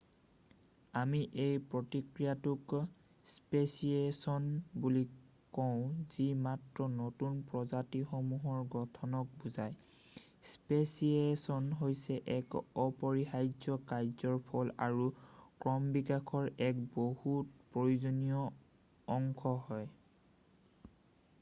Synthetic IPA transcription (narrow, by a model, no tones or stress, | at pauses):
amiʔejpɹotikɹijatʊk | spesiesɔnbuli | kɔʊ̃z̥imatɹɔnotunpɹɔzatixomuɦɔɹɡɔtʰɔnɔk̚buzaj | spesiesɔnɦojsɛʔɛkɔpɔɹixajzɔkajzɔɹpʰɔla̰ɹukɹɔmbikakʰɔɹɛkbohut̚pɹojuzonijɔː | ŋkʰɔɦɔj